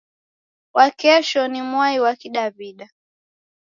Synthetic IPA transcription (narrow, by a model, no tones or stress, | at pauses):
wakɛʃɔnimwaiwakiɗaviɗa